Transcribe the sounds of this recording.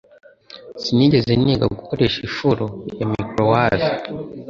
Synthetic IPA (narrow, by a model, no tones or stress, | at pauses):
siniɟe̞zeniɡa̰ɡukoɾe̞ʃifuɾojamikɾowaːzi